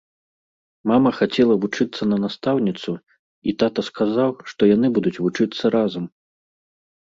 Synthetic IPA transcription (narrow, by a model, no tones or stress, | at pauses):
mamɐxat͡sʲɛlˠɐvut͡ʂɨt̪sːɐnɐnast̪awnʲit̪su | it̪at̪ɐskazawʂt̪ɔjan̪ɨbud̪ut͡sʲvut͡ʂɨt̪sːɐɾazɐm